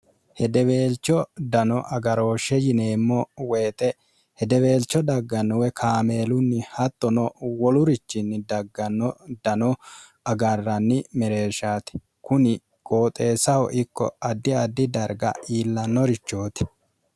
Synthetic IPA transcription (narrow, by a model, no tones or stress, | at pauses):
hɛd̪ɛβe̞ːlt͡ʃːɔd̪ɐnɔʔɐɡɐɾo̞ːʃɛjɪneːmːɔwe̞ːt̪ʼɛ | hɛd̪ɛwe̞ːlt͡ʃːɔd̪ɐɡːɐnːɔwɛkʰaːme̞ːlʊnːɪhɐt̪ːɔnɔwɔlʊɾɪt͡ʃːɪnːɪd̪ɐɡːɐnːɔd̪ɐnɔ | ɐɡɐrːɐnːɪmɛɾe̞ːʃaːt̪ɛ̥ | kʊnɪ | kʼoːt̪ʼe̞ːsɐhɔ̰ʔɪkːɔ̰ɐd̪ːɪɐd̪ːɪd̪ɐɾɡɐ̰iːlːɐnːɔɾɪt͡ʃːo̞ːt̪ɛ̥